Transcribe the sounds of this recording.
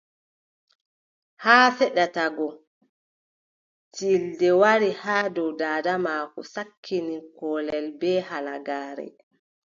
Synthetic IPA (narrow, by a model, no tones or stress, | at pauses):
haːfɛɗataɡɔ | tʰildɛwaɾihaːdɔwdaːdamaːkɔ̰sakʰːinikɔːlɛlbɛːhalaɡaːɾɛ̰